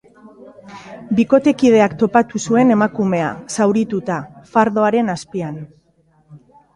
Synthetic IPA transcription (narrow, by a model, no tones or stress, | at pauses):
biko̞t̪e̞kið̞e̞akt̪o̞pat̪usue̞ne̞makume̞a̰sawɾit̪ut̪afaɾðo̞aɾe̞naspian